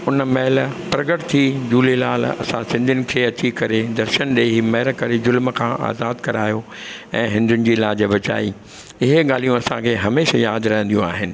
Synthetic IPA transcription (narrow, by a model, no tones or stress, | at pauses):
ʊnmɐɦɪlpɾɐɡəʈt̪ʰid͡ʑuːlelaːl̤ɐ̰sãsɪ̃nd̪ʱɪnɪ̆kʰeːɐt͡ɕikɐɾed̪ɐɾʃəñɗeɦimɐɦlkɐɾezʊlmkʰãʔa̰ːzaːd̪kɐɾaːjo | ɛ̃ːɦɪ̃nd̪ʱʊnɪ̆d͡ʑiːlaːd͡ʑəbɐt͡ɕa̰ːi | ɪɦeɠaːl̤ijũɐsãkʰeːɦɐmeːʃajaːd̪ɾɐɦə̃nd̪ijũa̰ːɦɪnɪ̆